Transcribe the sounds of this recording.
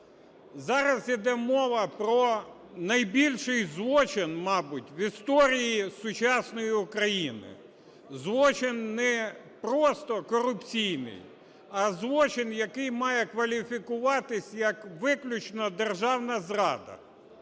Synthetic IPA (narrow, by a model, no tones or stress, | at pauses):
zɑɾɐzid̪ɛmɔʋɐpɾɔ | nɐjbʲilʲʃɪjzʋɔt͡ʃɪnmɑbʊtʲʋist̪ɔɾʲijisʊt͡ʃɑsnɔjiʊkɾɐjinɪ̰ | zʋɔt͡ʃɪnːɛ | pɾɔst̪ɔkɔɾʊpt͡sʲijnɪ̰j | ɐzʋɔt͡ʃɪnjɐkɪjmɑjɛkʋɐlʲifʲikʊʋɑt̪ɪsʲjɐkʋɪklʲʊt͡ʃnɐd̪erʒɑwnɐzrɑ̰d̪ɐ̰